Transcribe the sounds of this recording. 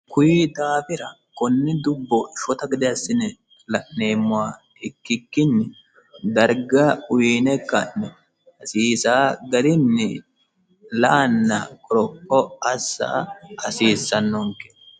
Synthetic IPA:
kʊjid̪aːfɪɾɐ | kɔnːɪd̪ʊbːɔʃɔt̪ɐɡɪd̪ɪɐsːɪnɛ | lɐʔne̞ːmːʊwaː | ɪkːɪkːɪnːɛ | d̪ɐɾɡɐʊjiːnɛkːɐʔnɛ | ɐsiːsaːɡɐɾɪnːɛ | lɐʔɐnːɐkʼɔɾɔkːɔɐsːa̰ːɐsiːsːɐnːɔŋkɛ̥

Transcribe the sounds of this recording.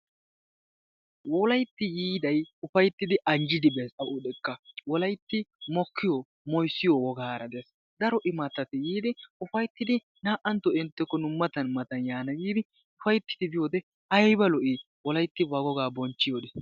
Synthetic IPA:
wɔlɐjt̪ːɪjiːd̪ɐjʊfɐjt̪ːɪd̪ɪʔɐnd͡ʒɪd̪ɪbɛsɐʔʊᶑ̪ɛkːɐwɔlɐjt̪ːɪmɔkʰːɪjɔ | mɔjsːɪjɔwɔɡaːɾɐd̪ɛs | d̪ɐɾɔʔɪmɐt̪ːɐt̪ɪjiːd̪ɪʊfɐjt̪ːɪd̪ɪ | naːʔɐnt̪ːɔɪnt̪ːɛkːɔnʊmːɐt̪ɐnmɐt̪ɐnjaːnɐɡiːd̪ɪ | ʊfɐjt̪ːɪ̥t̪ɪbɪjoːd̪ɛ | ɐjbɐlɔʔɪ | wɔlɐjt̪ːɪbɐɡɔɡaːbɔnt͡ʃːɪjod̪ɛs

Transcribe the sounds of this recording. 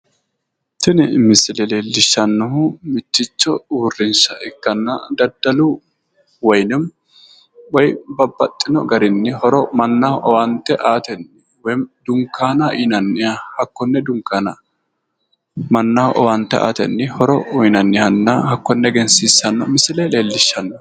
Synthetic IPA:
t̪ɪnɪmɪsɪlɛleːlɪʃːɐnːɔhʊmɪt̪ːɪt͡ʃːɔuːrːɪnsɐʔɪkːɐnːɐ̰d̪ɐd̪ɐlʊ | wɔjnɪm | wɔjbɐbːɐt̪ʼːɪnɔɡɐɾɪnːɪhɔɾɔmɐnːɐhʔɔwɐnt̪ːɛʔaːt̪ɛnː | wɔjd̪ʊŋkːaːnɐaʔinɐnːɪjahɐkːɔnːɛd̪ʊŋkːaːnɐ | mɐnːɐhʔɔ̰wɐnt̪ːɛʔa̰ːt̪ɛnːɪhɔɾɔɔjnɐnːɪhɐnːɐhɐkːɔnːɛɡɛnsiːsːɐnːɔmɪsɪlɛleːlːɪʃːɐnːɔ

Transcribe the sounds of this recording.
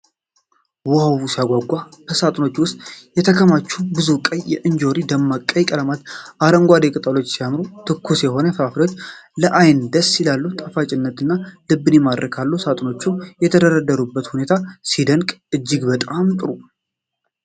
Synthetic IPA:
wɔawusiaɡʷaɡʷːabəsat̪ʼno̞t͡ʃːwʊst̪ʼjɛt̪ʰəkʰəmat͡ʃːubɨzukʼəjjɛʔɨɲd͡ʒo̞ɾid̪əmːakʼːəjkʼələmat̪ʔaɾəŋɡʷad̪ekʼɨt̪ʼalo̞t͡ʃːsijamɾut̪ʰɨkʰːusjɛɦo̞nəfafɾot͡ʃːləʔajnd̪əsɪlalːut̪ʼafat͡ʃʼɪnːət̪ɨnːalɨbːɨnemad̪ɾəkʰalːusat̪ʼno̞t͡ʃːujɛt̪ʰəd̪əɾəd̪əɾubːət̪hune̞t̪ʰasid̪əŋkʼɨd͡ʒːɪɡbət̪ʼamt̪ʼɨɾu

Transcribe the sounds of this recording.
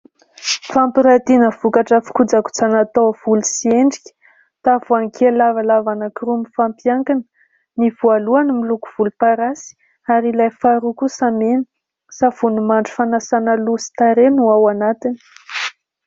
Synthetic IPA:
fampiɾat̪inəv̥ukaʈ͡ʂafi̥kud͡zaku̥t͡sanat̪owv̥ulusieɳɖ͡ʐikʲə̥ | t̪avuaŋkʰelavalavanakirumifampjaŋkanə | nivualuanimiluku̥v̥ulupaɾasi̥ | aɾilajfaɾukusamenə̥ | sav̥unumaɳɖ͡ʐu̥fanasanəlusi̥t̪aɾenuawanat̪ini̥

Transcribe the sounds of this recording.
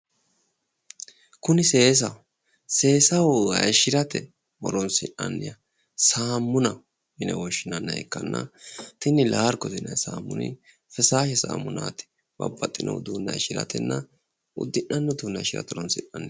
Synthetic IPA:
kʊnɪse̞ːs̬ɐw | se̞ːsɐwɐjʃɪɾɐt̪ɛ | mɔ̰ɾɔnsɪnɐnːɪjɐ | saːmːʊnɐ | mɪnɛwɔʃːɪnɐnːɐjɛkːɐnːɐt̪ɪnɪlaːɾkɔt̪ɪnɐjsaːmːʊnɪ̰ | fɛsaːʃɛsa̰ːmːʊnaːt̪ɪ̥ | bɐbːɐt̪ʼːɪnɔ̰wd̪uːnːɐjʃɪɾɐ̰t̪ɛnːɐ | ʊ̰d̪ːɪnːɐnːɔd̪uːnːɐjʃɪɾɐ̰t̪ɔɾɔnsɪnːɐnːɪ

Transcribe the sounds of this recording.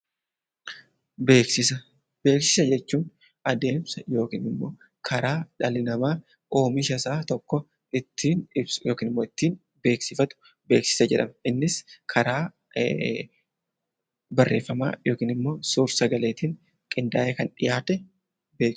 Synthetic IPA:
beːksɪsɐ | b̥e̞ːksɪ̥sɐd͡ʒɛt͡ʃːuːn | ɐd̪e̞ːmsɐjo̞ːkḭːnɪmːo̞̰ː | kʰɐɾaːᶑɐlɪnɐmaː | ʔo̞ːmɪʃɐsaːt̪ɔkːɔ | ɪt̪ːiːnɪbsʊ̥jo̞ːkiːnɪmːo̞ːɪt̪ːiːn | be̞ːksɪfɐt̪ʊ̥ | be̞ːksɪ̥sɐd͡ʒɛᶑɐmɛʔɪnːɪskʰɐɾaː | bɐrːʔe̞ːfːɐma̰ːjo̞ːkiːnɪmːo̞ːsuːɾsɐɡɐleːt̪iːn | kʼɪnd̪aːʔekɐnᶑɪjaːt̪ɛ | be̞ːk

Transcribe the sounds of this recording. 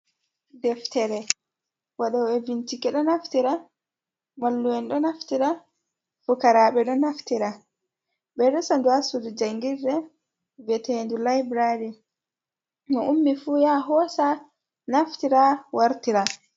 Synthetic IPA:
dɛftɛɾɛ | waɗɔwɛvintikɛɗɔnaftiɾa | malːuwɛnɗɔnaftiɾa | fukaɾaɓɛɗɔnaftiɾa | ɓɛɗɔsanduasudud͡ʒaŋɡiɾːɛ | vɛtɛhendulajbɾaɾi | mɔʔumːifujaɦɔsa | naftiɾawaɾtiɾa

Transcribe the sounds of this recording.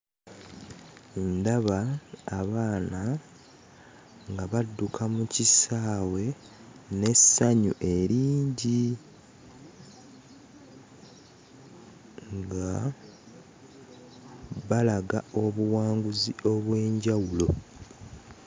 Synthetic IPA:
ndaβaːβaːna | ŋɡaβadːukʰamucisaːwe̞ | ne̞saɲṵʔe̞ɾiːɲɟi | ŋɡa | βalaɡao̞βuwaːŋɡuzio̞βwe̞ːɲɟawulo̞

